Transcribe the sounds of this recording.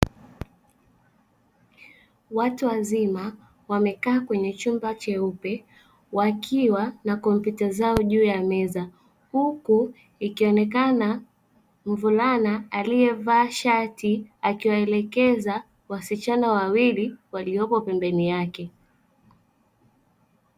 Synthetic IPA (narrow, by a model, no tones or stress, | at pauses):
watuwazima | wamɛkaːkwɛɲɛt͡ʃumbat͡ʃɛupɛ | wakʰiwanakɔmpjutazaɔʄuːjamɛza | huku | ikiɔnɛk̬ana | m̩vulanaalijɛvaːʃatiakiwaɛlɛkɛza | wasit͡ʃanawawiliwaliɔpɔpɛmbɛnijakɛ